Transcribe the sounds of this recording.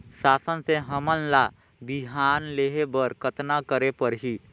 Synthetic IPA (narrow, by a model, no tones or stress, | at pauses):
saːsənseɦəmənla | biɦaːnleːɦebəɾkət̪nakəɾepəɾɦi